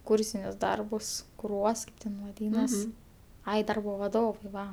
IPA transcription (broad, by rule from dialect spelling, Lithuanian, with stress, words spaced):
ˈkuːrʲsʲɪnʲʊs ˈdɐrbʊs kʊˈruɔs ˈtʲɛn ʋɐˈdʲiːnɐs ˈɐɪ ˈdɐrboː ʋɐˈdoːʋɐɪ ˈʋɐ